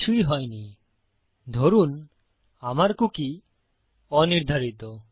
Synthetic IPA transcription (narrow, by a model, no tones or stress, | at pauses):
ʃuiɦɔjni | d̪ʱoɾun | amaɾkuki | ɔniɾd̪ʱaɾit̪o